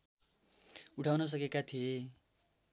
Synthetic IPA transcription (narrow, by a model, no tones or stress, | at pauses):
uʈʰawnʌs̬ʌkekat̪ʰie